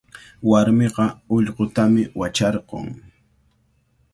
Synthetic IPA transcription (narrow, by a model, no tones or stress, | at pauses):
waɾmeqɑʊʎqot̪amɪwat͡ʃɑɾɢo̰ŋ